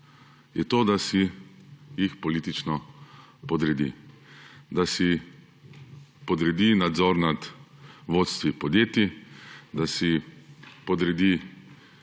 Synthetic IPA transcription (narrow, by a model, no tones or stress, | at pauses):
jɛt̪oːd̪asi | jixpɔliːt̪it͡ʃnɔpɔd̪ɾɛd̪ḭ | d̪asi | pɔd̪ɾɛd̪inad̪zɔːɾnad̪ʋoːt̪st̪ʋipɔd̪jeːt̪jid̪asi | pɔd̪ɾɛd̪i